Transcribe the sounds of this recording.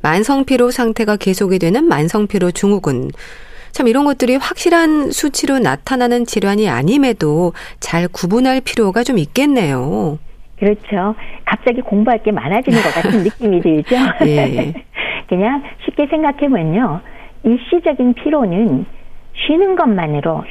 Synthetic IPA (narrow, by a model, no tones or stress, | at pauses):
mansʰʌŋpʰiɾosʰaŋtʰe̞ɡake̞sʰoɡedwe̞nɯnmansʰʌŋpʰiɾot͡ɕuŋuɡɯn | t͡ɕʰamiɾʌnɡʌt̚t͈ɯɾiɸwak̚ɕ͈iɾɦansʰut͡ɕʰiɾona̰tʰananɯnt͡ɕiɾjwaɲia̰ɲime̞dot͡ɕaɭkubunɦaɭpʰiɾjoɡat͡ɕomik͈e̞nːe̞jo | kɯɾʌt͡ɕʰokap̚t͡ɕ͈aɡikoŋboɦaɭk͈e̞ma̰nad͡ʑinɯnɡʌk͈atʰɯnːik͈imidweɭd͡ʑoje | kɯɲaŋɕʰip̚k͈e̞sʰe̞ŋɡakʰe̞mjʌɲoiɭɕ͈id͡ʑʌɡinpʰiɾonɯnɕʰɥinɯnɡʌnmanɯɾo